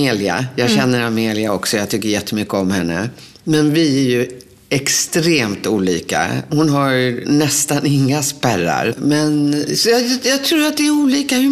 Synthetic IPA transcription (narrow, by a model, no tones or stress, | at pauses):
eːlɪa̰jɑːɡɕɛnːəɾameːlɪaɔksɔjɑːt̪ʰʏkːəɾjɛt̪ʰːəmʏkːəɔmhɛnːə̰ | mɛnvɪæɾjɵ | ɛkst̪ɾeːmt̪uːliːka̰hʊnɦaɾnɛst̪anɪŋːaspærːa̰ɾmɛnsɔjɑjɑːɡt̪ʰɾuːɾat̪̚d̪ɛæɾuːliːkahɵ